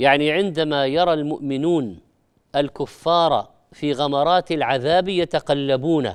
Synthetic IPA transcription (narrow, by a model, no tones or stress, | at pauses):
jaʕniʕɪnd̪amajɑɾˤɑlmʊʔmɪnuːn | ʔalkʊfːɑːɾˤɑ̰ | fiɣaɑmɑɾˤɑːt̪alʕaðaːbjat̪aqalːabuːna̰